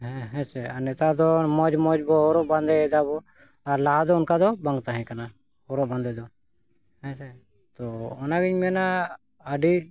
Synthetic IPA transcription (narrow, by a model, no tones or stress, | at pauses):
ɦɛ̃ɦɛ̃t͡ʃɛanɛt̪ad̪ɔmɔd͡ʒmɔd͡ʒbɔɦɔɾɔʔband̪ɛɛd̪aβɔ | aɾlaɦad̪ɔːnkad̪ɔbaŋɡt̪aɦɛ̃kana | hɔɾɔʔband̪ɛd̪ɔ | hɛ̃t͡ʃɛ | t̪ɔɔnaɡiɲmɛna | aɖi